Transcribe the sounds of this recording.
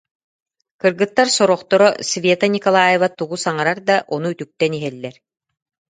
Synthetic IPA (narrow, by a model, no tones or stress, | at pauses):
kɯɾɡɯt̪ːaɾsɔɾɔχt̪ɔɾɔsvʲet̪anʲikɔlˠaːjevat̪uɡusaŋaɾaɾd̪aʔɔnuyt̪yk̚t̪ɛniɦɛlːɛɾ